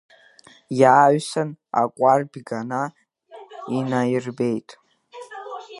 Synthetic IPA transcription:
jaːɥsana̰kʷʼarbɡana | inajɪrbe̞jtʼ

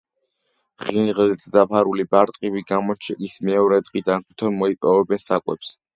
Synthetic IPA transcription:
ʁinʁlid̪zd̪apʰaɾulibaɾt̪ʼqʼibiɡamɔt͡ʃʰɛɡismɛɔɾɛd̪ʁid̪ankʰu̥t̪ʰɔnmɔipʼɔvɛbɛnsakʼwɛ̰ps

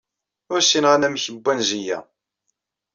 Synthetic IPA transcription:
ʊɾsinʁænæmçəbʷːænzijæ̰

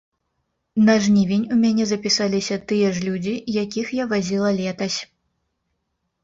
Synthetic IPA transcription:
nɐʐnʲivʲenʲumʲanʲɛzɐpʲisalʲisʲɐt̪ɨjɛʐlʲud͡zʲijakʲixjavazʲilˠɐlʲɛt̪ɐsʲ

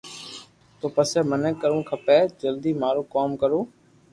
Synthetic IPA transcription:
t̪oːpəsɛːmənəkːəɾũːkʰəpeːd͡ʒəld̪iːmaːɾuːkoːmkəɾoː

